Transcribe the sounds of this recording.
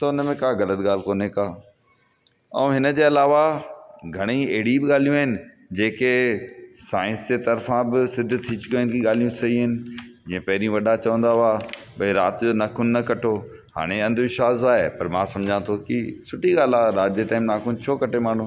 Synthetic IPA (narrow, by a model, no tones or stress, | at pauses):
t̪ɐʊnəmẽkaːɣɐlət̪ɠaːl̤koːnekaː | ɐ̰̃ũɦɪnə̆d͡ʑeːɐlaːʋaɡʱɐɽ̃ĩeɦɪɽibɪɠaːl̤ijũaːɦɪnɪ̆ | d͡ʑeːke | saːɪ̃nsd͡ʑeːt̪ɐɾfãbɪsɪd̪ʱt̪ʰːit͡ɕʊkaːɦɪnkiɠaːlijũsɐɦiɦɪnɪ̆d͡ʑĩːẽpɐɦɪɾijũʋɐɗat͡ɕɐʋə̃nd̪aʊaː | ɓɐĩɾaːt̪d͡ʑoːnaːkʊnːɐkɐʈʰoː | ha̰ːɽ̃eɐ̃nd̪ʱʋɪʃʋaːzoaːɦepɐɾmãːsɐ̃md͡ʑʱãt̪ʰokɪsʊʈʰiɠaːlaːɾaːd͡ʑeʈaːɪmnaːkʊnt͡ɕʰoːkɐʈʰemaːɳ̤ũː